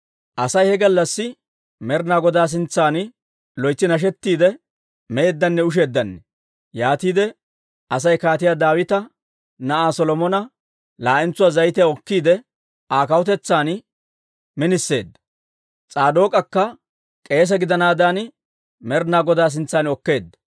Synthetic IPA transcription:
ʔɐsɐjhɛɡɐlːɐsːɪ | mɛɾnaːɡɔd̪aːs̬ɪnt͡sːaːn | lɔjt͡sːɪnɐʃ̬ɛt̪ːiːd̪ɛ | mɛeːd̪ːɐnːɛʊʃ̬e̞ːd̪ːɐnːɛ | jaːt̪iːd̪ɛ | ʔɐs̬ɐjkaːt̪ɪjaːd̪aːwɪt̪ɐ | nɐʔaːsɔlɔmɔnɐ | laːʔɛnt͡sːʊwaːzɐjt̪ɪjɔkːiːd̪ɛ | aːkɐwɔt̪ɛt͡sːaːn | mɪnɪsːe̞̰ːd̪ːɐ̥ | t͡sʼaːd̪o̞ːkʼɐkːɐ | kʼe̞ːs̬ɐɡɪd̪ɐnaːd̪aːn | mɛɾnaːɡɔd̪aːs̬ɪnt͡sːaːnɔkːe̞ːd̪ːɐ̥

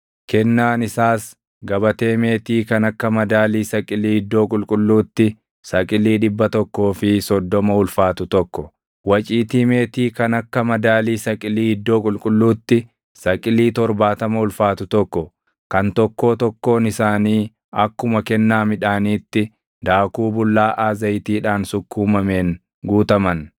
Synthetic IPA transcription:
kɛnːaːnɪsaːs | ɡɐbɐt̪e̞ːme̞ːt̪iːkɐnɐkːɐmɐd̪aːliːsɐkʼɪliːhɪd̪ːo̞ːkʼʊlkʼʊlːuːt̪ːɪ | sɐkʼɪliːᶑɪbːɐt̪ɔkːo̞ːfɪsɔd̪ːɔmɐʊlfaːt̪ʊt̪ɔkːɔ | wɐt͡ʃʼiːt̪iːme̞ːt̪iːkɐnɐkːɐmɐd̪aːliːsɐkʼɪliːhɪd̪ːo̞ːkʼʊlkʼʊlːuːt̪ːɪ | sɐkʼɪliːt̪ɔɾbaːt̪ɐmɐʊlfaːt̪ʊt̪ɔkːɔ | kɐnt̪ɔkːo̞ːt̪ɔkːo̞ːnɪsaːniː | ɐkːʊmɐkɛnːaːmɪᶑaːniːt̪ːɪ | d̪aːkuːbʊlːaːʔaːzɐjt̪iːᶑaːnsʊkːuːmɐme̞ːŋ | ɡuːt̪ɐmɐn

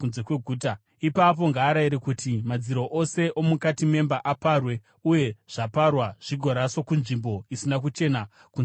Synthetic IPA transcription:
unze̞kwe̞ɡʱuːta | ipap̬o̞ŋɡaːɾaiɾekutimad͡ziɾo̞ʔose̞ʔo̞mukatime̞mbaʔaparwe̞ | uje̞ʐ̥aparwaʐ̥iɡʱo̞ɾaso̞kunʐimbo̞isinak̬ut͡ʃe̞na | kun

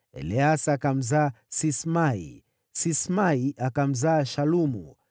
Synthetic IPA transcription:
ɛ̰liasakam̩za | sismaḭ | sismaiʔakam̩zaːʃalumṵ

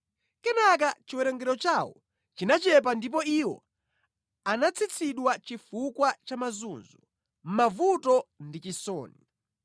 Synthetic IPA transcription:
kɛnak̬at͡ʃiwɛɾɛŋɡɛɾɔt͡ʃawɔ̰ | t͡ʃinat͡ʃɛp̬andip̬ɔiwɔ̰ | anat͡sʰit͡sʰiɗwat͡ʃifukwat͡ʃamazunzɔ | m̩mavutɔndit͡ʃisɔ̰ːni

